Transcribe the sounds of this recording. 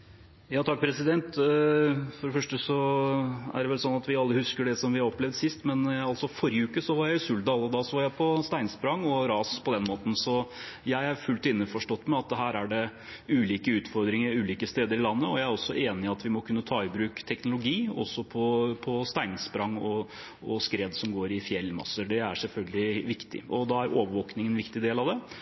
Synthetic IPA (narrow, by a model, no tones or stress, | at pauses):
jɑːt̪ʰɑk̚pʰɾɛsɪd̪ɛnt̪ | fɔɖɛfœʂʈəsɔ | æ̰ɖɛʋɛlsɔnːɑt̪ʋɪɑlːəhʉskəɖɛsɔmʋɪhɑɾɔplɛʋd̪sɪst̪mɛnɑlsɔfɔɾjəʉːkəsɔʋɑɾjæɪsʉld̪d̪ɑːlːəd̪ɑːsɔʋɑɾjæɪpʰɔst̪æɪŋspɾɑŋːɔɾɑːspʰɔd̪ɛnmoːt̪n̩sɔjæɪɑɾfʉlt̪ɪnːəfɔʂʈɔt̪ːmɛɑt̪̚ɦæːɾæɖɛ | ʉːliːkəʉːt̪fɔɾd̪ɾɪŋəɾʉːliːkəst̪eːd̪əɾɪlɑnːəɔjæɪæɾɔsːɔʔeːnɪɑt̪ʋɪmɔkʰʉnːət̪ʰɑːɪbɾʉːkt̪ʰɛknʊlʊɡiːɔ̰sːɔpʰɔpʰɔst̪æɪnspɾɑŋːɔ | ɔskɾeːd̪sɔmɡoːɾɪfjɛlːmɑ̰səɖɛæʂɛlfœlɡəlɪʋɪkt̪ɪ̰ʔɔd̪ɑæɾʔoːʋəɾʋoːknɪŋənʋɪkt̪ɪd̪eːlɑʋd̪ɛ